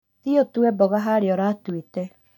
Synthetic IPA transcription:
ðiotuɛbɔɣaɦaɾeɔɾatwitɛ

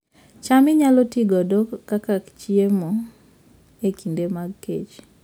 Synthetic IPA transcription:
t͡ʃamɪɲalɔtiɡɔdokakakt͡ʃiemo | ekʰindemaɡkḛt͡ʃ

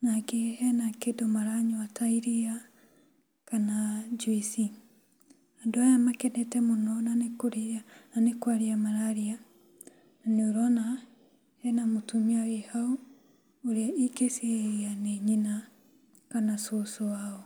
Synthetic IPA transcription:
nakeɛnakedɔmaɾaɲɔatʰaiɾea | kanad͡ʒwisi | andoajamakɛnɛtɛmonɔnanekoɾeananekwaɾiamaɾaɾia | naneoɾɔna | hɛnamotumiawehau | oɾeaʔiɡeseianeɲina | kanasosoaɔ

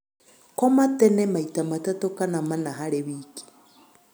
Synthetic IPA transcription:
komatɛnɛmaitamatatokanamanaɦaɾeβiːki̥

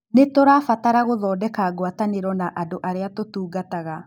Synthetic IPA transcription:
netoɾafataɾaɣoðɔːdɛkaːɡwataneɾwɔnaʔadoʔaɾeatotuːɡataɣa

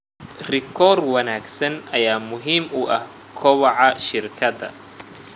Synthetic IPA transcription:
rɪkʰɔːrwɐnaːɡsɐnɐjaːmʊɦiːmʊʔɐh | kʰɔwɑʕɑʃɪrkʰɐdɐ̰

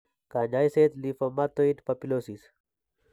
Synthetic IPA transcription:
kaɲaːjset̪lifomat̪ːoit̪pɐpilosis

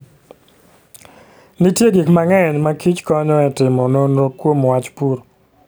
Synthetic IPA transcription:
nitjeɡikmaŋɛɲmakit͡ʃkɔɲɔɛtɪmɔnonokwomwat͡ʃpuɾo

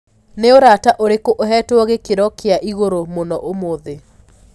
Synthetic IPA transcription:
neoɾataʔoɾekoʔoɦɛtwɔɣekeɾɔkeaʔiɣoɾomonɔʔomoːðe

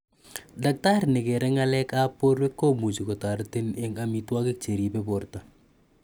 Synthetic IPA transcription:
dak̚taɾnɪkɛɾɛŋalɛkapoɾwekːomut͡ʃikotaɾtɪnɛŋamitwakɪk̚t͡ʃeɾipeporta

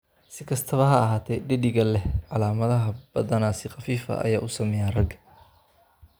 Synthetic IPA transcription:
sɪkʰɐst̪ʰɐβɐɦɐɐɦaːt̪ʰɛjɖɪɖɪɣɐlɛhʕɑlaːmɐðɐɦɐb̥ɐðɐnaːsɪχɑfiːfɐ̰ʔɐ̰jaːʔʊsɐmɛjaːrɐɡ

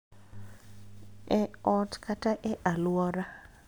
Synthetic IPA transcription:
ɛɔtkʰataʔɛʔalwɔɾa

